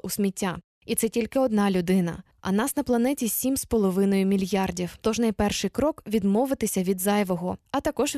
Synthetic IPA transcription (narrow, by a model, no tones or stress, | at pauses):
usʲmʲitʲːa | it̪sɛtʲilʲkɪɔd̪nɑlʲʊd̪ɪnɐ̰ | ɐ̰nɑsnɐplˠɐnɛtʲisʲimspɔlˠɔʋɪnɔjʊmʲilʲjɑrdʲiwt̪ɔʒnɐjpɛrʃɪjkɾɔkʋʲid̪mɔʋɪt̪ɪsʲɐʋʲid̪zɑjʋɔɦɔɐt̪ɐkɔʒ